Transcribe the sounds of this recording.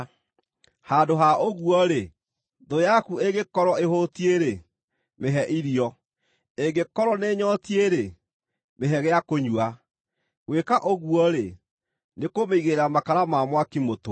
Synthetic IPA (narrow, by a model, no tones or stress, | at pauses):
haːndoɦaoɣuɔɾe | ðojakueɡekɔɾɔehotieɾe | meɦɛʔiɾiɔ | eɡekɔɾɔneɲɔtieɾe | meɦɛɣɛakoɲwa | ɣwekaʔoɣuɔɾe | nekomeiɣeɾamakaɾamamwakimoto